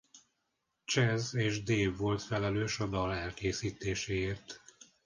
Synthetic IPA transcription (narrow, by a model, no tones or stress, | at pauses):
t͡ʃɛzeːʒd̪eːvːo̞lt̪fɛlɛløːʃɒd̪ɒlɛlkeːsiːt̪eːʃeːeːrt̪